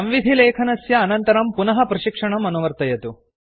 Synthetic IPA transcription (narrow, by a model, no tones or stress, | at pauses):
ɐmʋid̪ʱileːkʰɐnɐsjɐːnɐnt̪ɐɾɐmpunɐɦɐpɾɐʃikʂɐɳɐmɐnuʋɐɾt̪ɐjɐt̪u